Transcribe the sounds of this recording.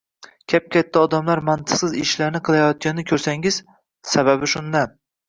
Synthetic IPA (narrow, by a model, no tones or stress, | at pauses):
kʲʰap̚kʲʰat̪ʰːaɒd̪amlaɾmant̪ʰɨqsɪzɪʃlaɾnɪqʰɨlˠajɒt̪̚kʲanɪnɪkʰɵɾsaŋɪz̥ | saβabɪʃʊnd̪an